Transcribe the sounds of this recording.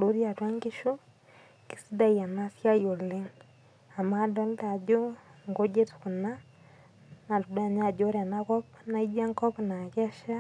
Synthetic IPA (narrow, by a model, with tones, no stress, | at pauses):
lo˨ɾi˦a˨twa˦ŋɡi˦ʃu˦ | ki̥˨sida˦ia˨na˦sja˦jo˨le˦ŋ | a˨ma˦dɔ˦nta˨d͡ʒo˦ŋɡo˦ɟe˦tu̥ku˨na | na˨tu˨da˨ɲad͡ʒo˦ɾa˨nakɔ˦pna˦id͡ʒa˦ŋkɔ˦pnakɛ˦ʃa˦